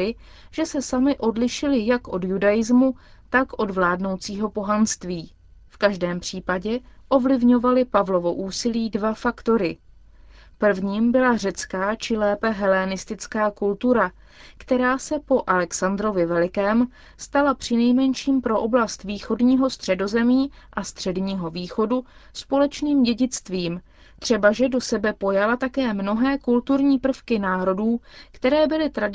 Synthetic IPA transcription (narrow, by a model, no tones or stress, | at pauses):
ɪ | ʒ̥ɛsɛsamɪʔo̞dlɪʃɪlɪjakʔo̞djudajɪzmu | t̪akʔo̞dvlaːdno̞wt͡siːɦo̞po̞ɦanst̪viː | fkaʒdɛːmpr̝̥iːpaɟɛʔo̞vlɪvɲo̞valɪpavlo̞vo̞ʔuːsɪliːdvafakt̪o̞ɾɪ | pr̩vɲiːmbɪlar̝ɛt͡skaːt͡ʃɪlɛːpɛɦɛlɛnɪst̪ɪt͡skaːkult̪uɾa | kt̪ɛɾaːsɛpo̞ʔalɛksand̪ɾo̞vɪvɛlɪkɛːm | st̪alapr̝̥ɪnɛjmɛnʃiːmpɾo̞ʔo̞blast̪viːxo̞dɲiːɦo̞st̪r̥ɛdo̞zɛmiːʔast̪r̝̥ɛdɲiːɦo̞viːxo̞duspo̞lɛt͡ʃniːmɟɛɟɪt͡st̪viːm | t̪r̝̥ɛbaʒɛdo̞sɛbɛpo̞jalat̪akɛːmno̞ɦɛːkult̪uɾɲiːpr̩fkɪnaːɾo̞duːkt̪ɛɾɛːbɪlɪt̪ɾad